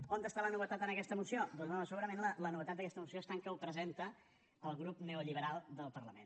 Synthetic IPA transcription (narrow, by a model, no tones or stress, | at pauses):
ond̪əst̪alənuβ̞ət̪at̪ənəkɛst̪əmusiod̪onznosəɣuɾəmẽnlələnuβət̪at̪d̪əkɛst̪əmusioəst̪aŋkəupɾəzent̪ə | əlˠɣɾupneuʎiβəɾalˠd̪əlˠpəɾləmḛn